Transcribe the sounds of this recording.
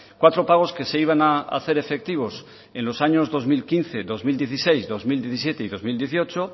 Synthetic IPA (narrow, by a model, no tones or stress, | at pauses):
kwat̪ɾo̞paɣ̞o̞ske̞seiβ̞anaa̰θe̞ɾe̞fe̞k̚t̪iβ̞o̞s | ẽ̞nlo̞saɲo̞zðo̞zmilkinθe̞ðo̞zmild̪je̞θisejzðo̞zmild̪jeθisjet̪eiðo̞zmild̪je̞θio̞t͡ʃo